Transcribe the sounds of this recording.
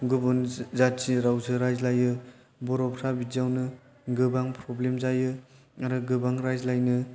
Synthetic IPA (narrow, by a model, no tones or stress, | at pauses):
ɡɯbunzatsiɾawzɯɾajzlajɯ | bɔɾɔpɾabid͡ʒiawnɯ | ɡɯbaŋpɾɔblemzajɯ | aɾɯɡɯbaŋɾajzlajnɯ